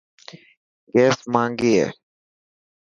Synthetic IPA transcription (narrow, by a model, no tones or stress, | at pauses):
ɡɛːsmãːŋɡeːḛ